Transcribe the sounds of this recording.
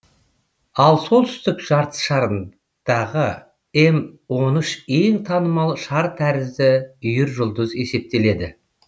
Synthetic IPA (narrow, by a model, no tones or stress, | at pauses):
ɑlˠso̞lˠt̪ʰʏ̥st̪ɪkʒ̥ɑɾt̪ʰə̥sʃɑɾən | d̪̥ɑʁə | e̞mwo̞nəʃe̞ŋt̪ʰɑnəmɑlˠʃɑɾt̪ʰæɾɪzd̪ɪʏjɪɾʒʊlˠd̪əze̞se̞p̚t̪e̞le̞d̪ɪ